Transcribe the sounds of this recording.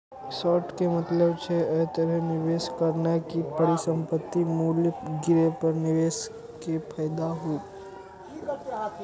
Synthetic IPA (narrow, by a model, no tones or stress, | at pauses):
sɔːʈkemɐt̪ləbt͡ʃʰeɛːt̪əɾəɦnɪʋeːskəɾnakipəɾisə̃mpət̪ːimuːljəɡɪɾepəɾnɪʋeːs | kepʰɛːjd̪aɦoː